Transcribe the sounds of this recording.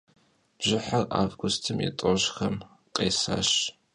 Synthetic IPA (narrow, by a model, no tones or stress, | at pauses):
b̥ʒɪħara̰ːvɡʷʊstʰɨmjɛ̰tʼɔɕxɐm | qʼeːsa̰ːɕ